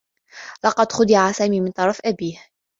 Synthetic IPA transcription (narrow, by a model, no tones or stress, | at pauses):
lɑqɑd̪xʊd̪ɪʕasaːmiːmɪnt̪ˤɑɾˤɑfʔabiːh